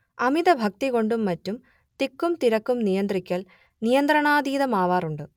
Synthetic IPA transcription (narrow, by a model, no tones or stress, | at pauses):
ɐmid̪ɐbʱɐk̚t̪iɣo̞ɳɖumːɐtːum | t̪ikːumt̪iɾɐkːumnijɐnd̪rikʲːɐɭ | nijɐnd̪rɐɳaːd̪iːðɐmaːʋaːruɳɖɨ